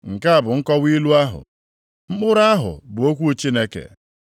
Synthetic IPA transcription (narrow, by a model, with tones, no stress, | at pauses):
ŋ̩˨ka˦a˨bʊ˨ŋ̩˦kɔ˦wi˦lu˦a˦ɦʊ̰˨ | m̩˦k͡pʊ˦ɾa˦ɦʊ̰˨bʊ˨o˦kʷu˦t͡ʃi˦ne˦kḛ˨